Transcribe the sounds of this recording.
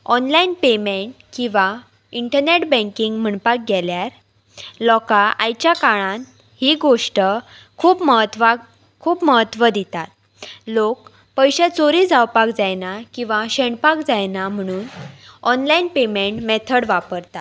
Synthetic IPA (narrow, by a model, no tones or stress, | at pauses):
ɔnlainpemeɳʈ̚kĩʋa | iɳʈəɾneʈbə̃ŋkiŋɡm̤əɳpak̚ɡʱɛljaɾ | lɔkaʔa̰jt͡ɕjakaɭãn | hiɡoʂʈə | kʰuːpməɦət̪ʋa | kʰuːpməɦət̪ʋəd̪it̪at̪̚ | lok̚ | pəjɕet͡soɾid͡zawpakd͡zajnakĩw̃ʋaɕeɳpakd͡zajnam̤əɽ̃uːnɔnlainpemeɳʈmɛt̪ʰəɽʋapəɾt̪a